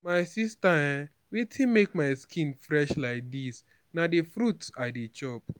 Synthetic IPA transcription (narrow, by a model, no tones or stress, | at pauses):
maɪsistaɛ̃ | wetʰĩnmekmajskʰĩnfɹɛʃlaɪk̚dis | nadefɾutsadet͡ʃɔp̚